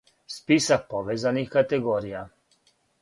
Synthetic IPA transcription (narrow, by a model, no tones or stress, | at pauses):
spisapɔʋɛːzanixkat̪ɛɡoːɾija